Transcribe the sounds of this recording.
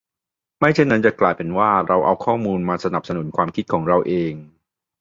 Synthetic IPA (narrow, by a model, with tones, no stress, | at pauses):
ma˥˩jt͡ɕʰe˥˩nːa˦˥nt͡ɕa˨˩klaː˨˩jpe˧nwaː˥˩ɾa˧wʔa̰˧wkʰɔː˥˩muː˧nmaː˧sa˧na˨˩p̚sa˧nu˩˦nkʰwaː˧mkʰi˦˥t̪̚kʰɔː˩˦ŋɾa˧wʔeː˧ŋ